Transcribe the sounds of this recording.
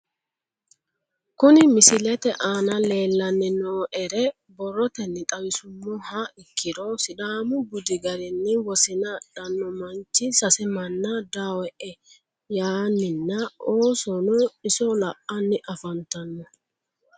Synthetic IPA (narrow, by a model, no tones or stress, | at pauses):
kʊnɪmɪsɪlɛt̪ɛʔaːnɐle̞ːlːɐnːɛnoːʔɛɾɛ | bɔrːɔt̪ɛnːɪt̪ʼɐwɪsʊmːɔhaɪkʰːɪɾɔsɪd̪aːmʊbʊd̪ɪɡɐɾɪnːɪwɔsɪnɐd̥ɐnːɔmɐnt͡ʃːɪsɐsɛmɐnːɐd̪aːwɛʔɛ | jaːnːɪnːɐoːsɔnɔɪsɔlɐʔɐnːɪʔɐfɐnt̪ɐnːɔ